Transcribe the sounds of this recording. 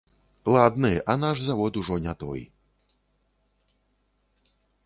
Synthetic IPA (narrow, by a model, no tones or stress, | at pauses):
lˠad̪nɨanaʂzavɔt̪uʐɔnʲat̪ɔ̰j